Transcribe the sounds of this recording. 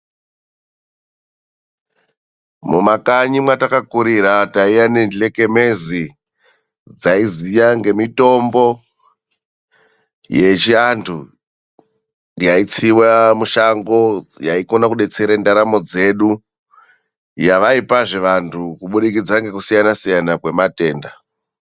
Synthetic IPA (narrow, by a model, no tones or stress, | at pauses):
mumakaɲimwatakakuɾiɾataijane̞nle̞ke̞me̞zi | d͡zaizijaŋɡe̞mito̞mbo̞ | je̞t͡ʃiantʰu | jait͡siwamuʃaŋɡo̞jaiko̞nakuɗe̞t͡se̞ɾendaɾamo̞d͡ze̞ɗu | jaʋaipaʐeʋantʰukuɓuɗikid͡zaŋɡe̞kusijanasijanakwe̞mate̞ːnda